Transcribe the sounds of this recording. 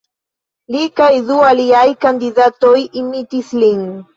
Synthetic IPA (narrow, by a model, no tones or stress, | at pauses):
lɪkajd̪ʊaliajkand̪ɪd̪at̪ojɪmɪt̪islɪŋ